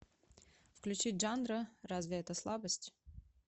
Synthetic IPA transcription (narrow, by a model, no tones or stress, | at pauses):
fklʲʉt͡ɕitʲʐanɾərazvʲɪɛt̪əslˠabəsʲtʲ